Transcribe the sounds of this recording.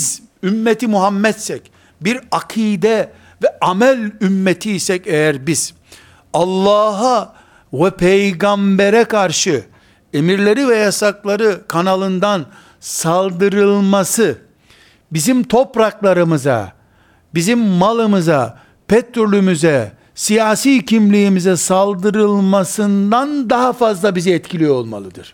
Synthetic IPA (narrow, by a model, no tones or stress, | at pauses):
zymːet̪ʰimuɦamːɛt̪sɛc | biɾakʰiːd̪ɛ | vɛamælʲymːet̪ʰiːsɛcɛjæɾbiz̥ | alˠːaːɦa | vɛpʰejɡambɛɾɛkʰaɾʃɯ | emiɾlʲe̞ɾivɛjasaklˠaɾɯkʰanalˠɯnd̪an | salˠd̪ɯɾɯlˠmasɯ | bizimt̪ʰo̞pɾaklˠaɾɯmɯza̰ | bizimːalˠɯmɯza̰ | pʰɛt̪ɾolʲymyzɛ | sijaːsiːcʰimlʲijːmizɛsalˠd̪ɯɾɯlˠmasɯnd̪and̪aɦafazlˠabiziɛt̪cʰilʲijoo̞lˠma̰lˠɯd̪ɯɾ̥